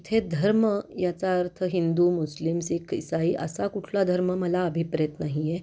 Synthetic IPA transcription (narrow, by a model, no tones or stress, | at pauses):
t̪ʰed̪ʱəɾməjat͡saəɾtt̪ʰəɦind̪uːmuslimsikʰisaiːʔə̰sakuʈʰlad̪ʱəɾməməlaəbʱipɾjt̪naɦije